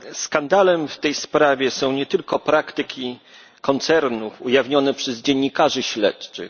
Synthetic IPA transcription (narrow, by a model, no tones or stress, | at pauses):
skand̪alɛmft̪ɛjspɾavʲjɛsɔ̃w̃ɲɛt̪ɘlkɔpɾakt̪ɘkʲʰi | kɔnt̪sɛɾnufujavɲɔnɛpʂɛzd͡ʑɛɲːikaʐɘɕlɛ̰tt͡ʂɘ̰x